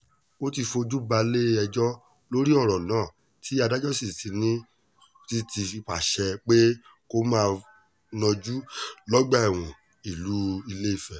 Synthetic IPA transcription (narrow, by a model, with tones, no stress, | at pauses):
o˦ti˧fo˧d͡ʒu˦ba˧le˦ɛ˧d͡ʒɔ˦ | lo˦ɾi˦ɔ˦˨ɾɔ˨nãː˨˦˨ | tʰi˨˦a˧da˦d͡ʒɔ˦si˦˨ti˧nĩ˦ | ti˦ti˧k͡pa˨ʃɛ˧k͡pe˦ | ko˧mãː˦˧ | nɔ̃˧d͡ʒu˦lɔ˦ɡ͡ba˦ɛ˨w̃ɔ̃˨ | i˨lu˨˦i˧le˦i˦˨fɛ˨